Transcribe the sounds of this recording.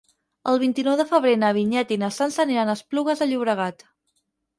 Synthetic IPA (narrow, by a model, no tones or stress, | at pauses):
əlˠβ̞int̪inɔwðəfəβ̞ɾenəβ̞iɲɛt̪inəsansəneɾanəspluɣəzðəʎuβɾəɣat̪